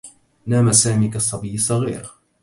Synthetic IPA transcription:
naːmasaːmiːkasˤːɑbijːɪsˤːɑɣḭːɾ

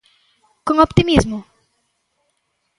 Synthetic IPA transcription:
kõɔpt̪imizmʊ

